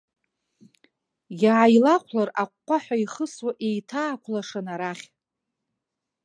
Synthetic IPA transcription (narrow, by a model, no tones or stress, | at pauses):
jaʕajlaqʷʰlaraqʷːaħʷᶣaiχəswaʔejtʰaːkʷʰlaʂanaɾaχʲ